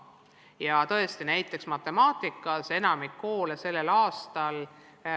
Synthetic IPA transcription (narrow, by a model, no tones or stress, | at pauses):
jɑt̪ɤest̪inæjt̪ːˑe̞ksmɑt̪ːˑe̞mɑːt̪ˑikːˑɑse̞nɑmikːo̞ːlese̞lːe̞lɑːst̪ɑl